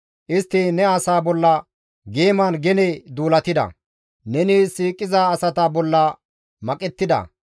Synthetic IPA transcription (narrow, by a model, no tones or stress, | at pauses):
ʔɪst̪ːɪnɛɐsaːbɔlːɐ | ɡeːmɐnɡɛnɛd̪uːlɐt̪ɪd̪ɐ̰ | nɛnisiːkʼːɪzaːsɐt̪ɐbɔlːɐ | mɐkʼɛt̪ːɪd̪ɐ̰